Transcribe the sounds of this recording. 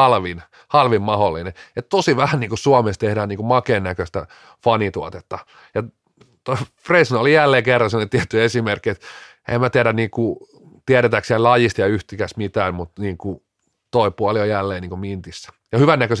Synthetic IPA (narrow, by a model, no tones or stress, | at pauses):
ɑlʋin | hɑlʋimmɑholːineet̪t̪osiʋæhæniːŋkusuɑmest̪ehdæːniːŋkumɑkeːnːækøst̪æ̰ | fɑnit̪uɑt̪et̪ːɑ | jɑ | t̪oifreisinolijælːeːkerːɑnsemːonet̪iæt̪ːyesimerkːiet̪ | ḛmæt̪iæɾænniːku | t̪iæɾet̪æksiællɑjist̪jɑyht̪ikæsmit̪æːmmut̪niːŋku | t̪oipuɑljojælːeːniːŋkumint̪isːæ̥ | jɑhyʋænːækøs